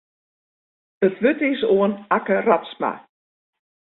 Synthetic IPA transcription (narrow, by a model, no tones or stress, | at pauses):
ətʋøtɪsoənakəratsma̰